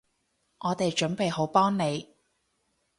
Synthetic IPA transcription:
ʔɔː˨˧t̪e˨jt͡ʃɵ˨˥npe˨jho˨˧˥wpɔː˥ŋne˨˧j

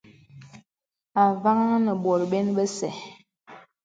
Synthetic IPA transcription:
a˨va˦ŋ˦nə˨ɓwɔ˨ɾɓe˦nɓə˦sɛ˨

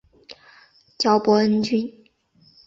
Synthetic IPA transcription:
t͡ɕjɑ˧˥ʊpwɔ˧˥ə˥nt͡ɕy˥n

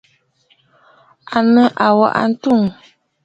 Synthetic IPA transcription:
a˨nə˦ʔa˨wa̰˨ʔa̰˨n̩˦tu˦˨ŋ

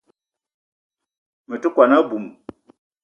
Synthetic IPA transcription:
mə˨tə˦kwa˨na˦bu˨m

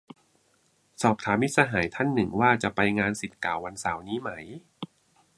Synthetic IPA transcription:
sɔː˨˩p̚t̪ʰaː˩˦mːi˦˥t̪̚saː˧ɦaː˩˦jt̪ʰa˥˩nːɯ˨˩ŋwaː˥˩t͡ɕa˨˩pa˧jŋaː˧nsi˨˩t̪̚kaː˨˩˦wːa˧nsaː˩˦wniː˦˥ma˦˥j

